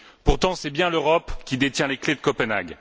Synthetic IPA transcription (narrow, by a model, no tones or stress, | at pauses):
puʁt̪ɑ̃sɛbjɛ̃løʁɔpkʲid̪et̪jɛ̃lekled̪əkɔpənaɡ